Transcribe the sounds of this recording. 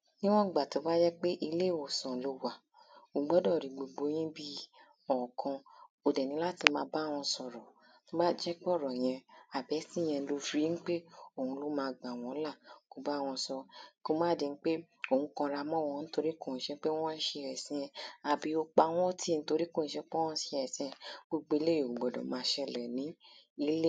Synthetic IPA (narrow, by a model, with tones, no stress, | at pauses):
nĩ˦w̃ɔ̃˦˨ɡ͡ba˨to˨˦ba˦d͡ʒɛ˦k͡pe˦ʔi˧le˦˨o˨sɔ̃˨lo˧wa˨ | o˨˧˦ɡ͡bɔ˨˦dɔ˦˨ɾi˨ɡ͡bo˨ɡ͡bo˧˦j̃ĩ˦bi˧ | ɔ˨kʰɔ̃˧ | o˨dɛ˨nĩ˧˦la˦ti˧mãː˧˦ba˦˨w̃ɔ̃˧sɔ˨ɾɔ˨ | nõ˦ba˦d͡ʒɛ˦k͡pɔ˦˨ɾɔ˨j̃ɛ̃˧a˨bɛ˨˦si˦˨j̃ɛ̃˧lo˧fɾi˨˦ñ̩˦k͡pe˦o˦˨ũ˧lo˦mãː˧˨ɡ͡bã˨w̃ɔ̃˨˦la˦˨ko˧ba˦˨w̃ɔ̃˧sɔ˧ko˦mãː˦˨de˧n̩˦k͡pe˦ | o˦˨hũ˧kɔ̃˧ɾa˧mɔ̃˦˨w̃ɔ̃˧n̩˦to˧ɾi˦kõ˦˨n̩˨˦ʃɛ˦k͡pe˦w̃ɔ̃˦ʃe˧˨ɾɛ˨sĩ˨˦ɛ̃˧a˨bi˨˦o˧k͡pa˧˦w̃ɔ̃˦ti˦˨n̩˦to˧ɾi˦ko˦˨ñ̩˨˦ʃɛ˧˦k͡pẽ˦ɔ̃˦si˧˨ɛ˨sĩ˧˦ɛ̃˧ɡ͡bo˧ɡ͡be˧˦le˦˨o˨ɡ͡bɔ˨dɔ̰̃˨mãː˧˦ʃɛ˧lɛ˨nĩ˨˦i˧˦le˦